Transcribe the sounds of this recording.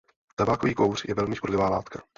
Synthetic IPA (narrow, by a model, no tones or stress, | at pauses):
t̪abaːkoviːkowr̝jɛvɛlmɪʃpoɾlɛvaːlaːt̪kʰa